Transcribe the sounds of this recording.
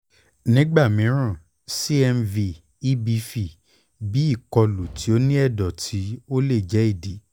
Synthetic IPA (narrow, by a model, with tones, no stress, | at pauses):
nĩ˦ɡ͡ba˦˨mĩ˨˦ɾ̃ã˦˨ | si˦ɛ˧mvi˧ | i˦bi˧fi˧˨ | bi˨˦i˦˨kɔ˧lu˨ti˨˦o˦nĩ˦ɛ˦˨dɔ˨tʰi˨˦o˦le˦˨d͡ʒɛ˨˦i˦˨di˨˦